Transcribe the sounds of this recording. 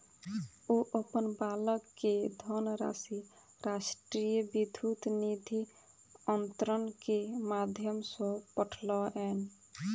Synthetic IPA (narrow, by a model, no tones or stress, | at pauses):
oʔəpənbaləkːed̪ʱɔnɾa̰ːsi | ɾaʃʈɾijəbid̪ʱut̪nid̪ʱi | ənt̪ɾənkemad̪ʱjəmsɔ̃pəʈʰlɔʔɛn